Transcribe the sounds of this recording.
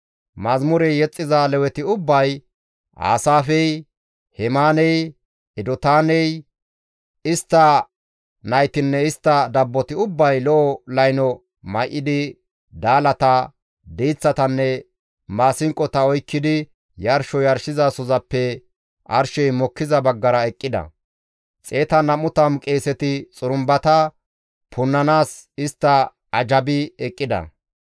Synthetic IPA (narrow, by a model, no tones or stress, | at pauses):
mɐzmʊɾɛjɛt͡sʼːɪzalɛwɛt̪ɪʊbːɐj | ʔa̰ːsaːfɛj | hɛmaːnɛj | ɛd̪ɔt̪aːnɛj | ɪst̪ːɐ | nɐjt̪ɪnːɛɪst̪ːɐd̪ɐbːɔt̪ɪʊbːɐjlɔʔɔlɐjnɔ | mɐjʔːɪd̪ɪ | d̪aːlɐt̪ɐ | d̪iːt͡sːɐt̪ɐnːɛ | maːsɪŋkʼɔt̪ɐɔjkːɪd̪ɪ | jɐɾʃɔjɐɾʃɪzɐsɔzɐpːɛ | ʔɐɾʃɛjmɔkːɪzɐbɐɡːɐɾɐɛkʼːɪd̪ɐ̰ | t͡sʼe̞ːt̪ɐnɐmʊt̪ɐmkʼe̞ːsɛt̪ɪt͡sʼʊɾʊmbɐt̪ɐ | pʰʊnːɐnaːsɪst̪ːɐ | ɐd͡ʒɐbɪɛkʼːɪd̪ɐ̰